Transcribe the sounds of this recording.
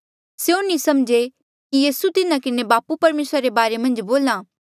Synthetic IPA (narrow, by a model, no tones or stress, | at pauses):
seonĩsɐmd͡ʒe | kijiːsut̪ɪnakɪnebaːpupɐɾmeːsɾaɾebaːɾemɐ̃nd͡ʒboːlãː